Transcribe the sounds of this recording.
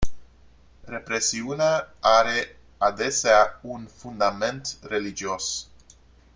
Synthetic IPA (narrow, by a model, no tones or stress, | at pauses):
re̞pɾe̞siuneaaɾe̞ | ad̪e̞seaunfund̪ame̞nt̪re̞lid͡ʒio̞s